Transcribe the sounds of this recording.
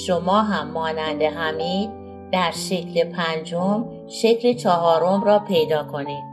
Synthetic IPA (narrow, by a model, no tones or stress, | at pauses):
ʃomɒːɦæmːɒːnænd̪e̞ɦæmiːd̪̚ | d̪̥æɾʃe̞cʰlepʰænd͡ʒom | ʃe̞cʰlet͡ʃʰɒɦɒːɾo̞mɾɒːpʰe̞jd̪ɒːkʰo̞niːd̪̥